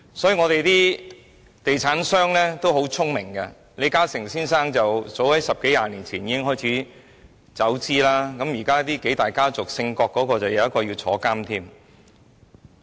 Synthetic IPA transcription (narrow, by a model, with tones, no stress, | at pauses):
sɔː˨˥jiː˨˩ŋɔː˨˧t̪e˨jt̪iː˥ | t̪e˨jt͡sʰaː˨˥nsœː˥ŋlɛː˥t̪o˥wɦo˨˥wt͡sʰʊ˥ŋmɪ˨˩ŋkɐ˧ | le˨˧jkaː˥sɪ˨˩ŋsiː˥nsaː˥ŋt͡sɐ˨wt͡so˨˥whɐ˨˥jsɐ˨p̚ke˨˥jaː˧niː˨˩nt͡sʰiː˨˩njiː˨˧kɪ˥ŋɦɔː˥˩jt͡sʰiː˨˥ | t͡sɐ˨˥wt͡siː˥laː˥kɐ˨˧˥mjiː˨˩kaː˥t̪iː˥ke˨˥jt̪aː˨jkaː˥t͡sʊ˨k̚sɪ˧ŋkɔː˧kːɔː˨˧˥kɔː˧t͡sɐ˨wjɐ˨˧wjɐ˥tkɔː˧jiː˧wt͡sʰɔ̰ː˨˧˥kaː˥mt̪ʰiː˥m